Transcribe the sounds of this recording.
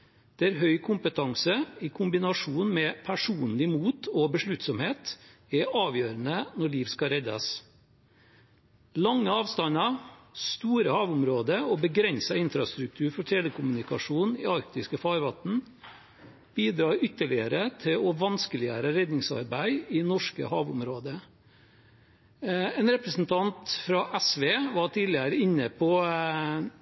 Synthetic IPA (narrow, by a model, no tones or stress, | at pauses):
d̪̥ɛæɾɦœʏkʰʊmpət̪ʰɑŋsəɪkʰʊmbɪnɑʂuːnmɛpʰæʂuːnlɪmuːt̪ʰɔbəʂɭʉt̪sɔmheːt̪ɛʔɑːʋjøːɾənənɔɭiːʋskɑɾɛd̪ɑ̰s | lɑŋːəɑːʋst̪ɑnɑst̪uːɾəhɑːʋʊmɾoːd̪əɔbəɡɾɛnsɑɪnfɾɑst̪ɾʉk̚t̪ʰʉːɾfɔʈʰeːləkʰʊmʉnɪkɑ̰ʂuːnɪ̰ːɑɾk̚t̪ɪskəfɑːɾʋɑt̪n̩ | b̥iːd̪ɾɑːʏt̪ːəɭɪəɾət̪ʰɪlɔʋɑnskəlɪæ̰ːɾəɾɛd̪nɪŋsɑ̰ɾbæɪɪnɔʂkə̰hɑːʋʊ̰mɾoːd̪ə | ɛːnɾɛpɾəsn̩t̪ʰɑnt̪fɾɑʔɛsʋeːʋɑʈʰiːlɪəɾəɪnːəpʰɔ